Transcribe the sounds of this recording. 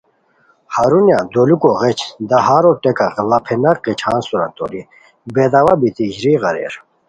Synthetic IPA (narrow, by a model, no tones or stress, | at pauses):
haɾunjad̪oːlukoɣet͡ɕʰd̪ɐɦaːɾoʈekaɣlɐpʰenɐqet͡ɕʰaːnsuɾɐ̰nt̪o̰ːɾi | beːd̪awabit̪iʑɾiɣɐɾḛɾ